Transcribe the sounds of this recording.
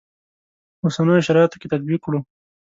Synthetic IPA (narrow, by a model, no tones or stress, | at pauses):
osanəjoʃaɾɑjat̪o̥ket̪at̪̚bikːɽo